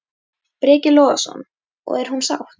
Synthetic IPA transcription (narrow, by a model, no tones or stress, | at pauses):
pɾɛːcɪlɔːɣasɔ̰n | ɔ̰ɣɛɾ̥hunsa̰wht